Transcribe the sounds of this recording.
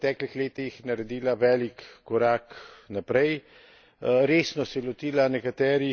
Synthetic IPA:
t̪ɛːklixleːt̪ixnaɾɛd̪iːlaʋɛːlikːɔɾaːknapɾɛj | ɾeːsnɔsɛjɛlɔt̪iːlanɛkat̪ɛːɾi

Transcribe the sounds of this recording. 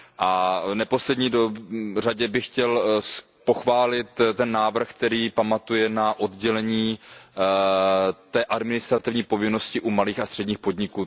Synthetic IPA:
ʔavnɛpo̞slɛdɲiːdoraɟɛbɪxcɛl | po̞xvaːlɪt̪t̪ɛnːaːvr̩xk̚t̪ɛɾiːpamat̪ujɛnaʔo̞dɟɛlɛɲiː | t̪ɛːʔadmɪnɪst̪ɾat̪ɪvɲiːpo̞vɪno̞scɪʔumaliːxast̪r̥ɛdɲiːxpo̞dɲɪkuː

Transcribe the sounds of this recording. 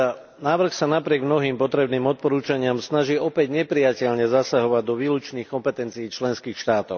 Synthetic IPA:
naːʋr̩xsanapɾɪɛɡmnɔɦiːmpɔt̪ɾɛbniːmɔt̪̚pɔɾuːt͡ʃaɲɪamsnaʒiːɔpɛɟɲɛpɾijacɛʎɲɛzasaɦɔʋaɟd̪ɔʋiːlut͡ʃniːxkɔmpɛt̪ɛnt͡sijːt͡ʃlɛnskiːxʃt̪aːt̪ɔʊ

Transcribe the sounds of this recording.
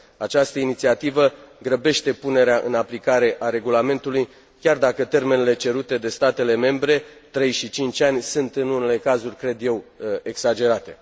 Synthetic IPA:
at͡ʃast̪əinit̪siat̪ivəɡɾəbe̞ʃt̪e̞pune̞ɾeaʔɨnaplikaɾe̞ʔaɾe̞ɡulame̞nt̪uluj | kʲard̪akət̪e̞rme̞nele̞t͡ʃe̞ɾut̪e̞d̪e̞st̪at̪e̞le̞me̞mbɾe̞t̪ɾe̞jʃit͡ʃint͡ʃʲanʲsɨnt̪ɨnune̞le̞kazurʲkɾe̞d̪je̞we̞ɡsad͡ʒe̞ɾat̪e̞

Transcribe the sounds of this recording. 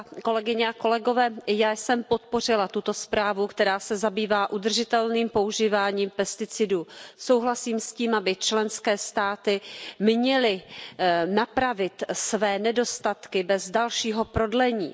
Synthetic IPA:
ko̞lɛɡɪɲɛako̞lɛɡo̞vɛːjaːjsɛmpo̞t̪̚po̞r̝ɪlat̪ut̪o̞spɾaːvukt̪ɛɾaːsɛzabiːvaːʔud̪r̩ʒɪt̪ɛlniːmpo̞uʒiːvaːɲiːmpɛst̪ɪt͡sɪduːso̞wɦlasiːmsciːmʔabɪt͡ʃlɛnskɛːst̪aːt̪ɪmɲɛlɪ | napɾavɪt̪svɛːnɛdo̞st̪at̪kɪbɛzdalʃiːɦo̞pɾo̞dlɛɲḭː

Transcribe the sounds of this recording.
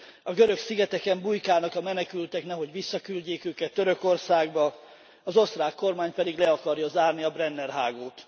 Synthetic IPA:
ɒɡøɾø̞ksiɡɛt̪ɛkɛmbujkaːnɒkɒmɛnɛkylt̪ɛknɛɦo̞ɟʋisːɒkylɟeːkøːkɛt̪ːøɾø̞ko̞rsaːɡbɒ | ɒzo̞st̪raːkːo̞rmaːɲpɛd̪iɡlɛɒkɒrjɒzaːrniɒbrɛnːɛrɦaːɡoːt̪

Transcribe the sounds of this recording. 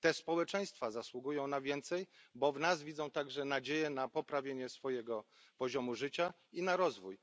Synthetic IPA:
t̪ɛspɔwɛt͡ʂɛ̃j̃st̪fazaswuɡujɔ̃w̃navʲjɛnt̪sɛjbɔvnazvʲid̪zɔ̃w̃t̪aɡʐɛnad͡ʑejɛnapɔpɾavʲjeɲɛsfɔjɛɡɔ | pɔʑɔmuʐɘt͡ɕa | inaɾɔzvuj

